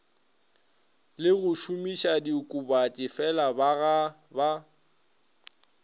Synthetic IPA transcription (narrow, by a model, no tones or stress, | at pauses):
lɪɣʊʃumiʃadikʼubat͡ʃʼɪfɛlabaɣa | ba